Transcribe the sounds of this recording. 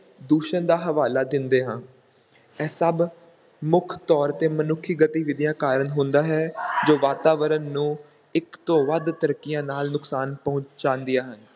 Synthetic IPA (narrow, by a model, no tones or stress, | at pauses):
d̪uːʃənd̪aːɦəʋaːlaːd̪ɪnd̪eːɦãː | ɛːsəb | mʊkʰt̪ɔːɾt̪eːmənʊkʰːiːɡət̪iːʋɪd̪ɪjãːkaːɾənɦʊ̃nd̪aːɦɛːd͡ʒoːʋaːt̪aːʋəɾənːũː | ɪkt̪õːʋəd̪t̪əɾəkːɪjãːnaːlnʊksaːnpɔ̃ʊɲt͡ʃt͡ʃãːnd̪ɪjaːɦən